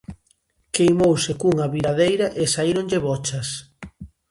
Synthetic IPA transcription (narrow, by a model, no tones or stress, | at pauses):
kejmowsɪkuŋɐβiɾaðejɾɐʔesaiɾoŋʎɪβɔt͡ʃɐs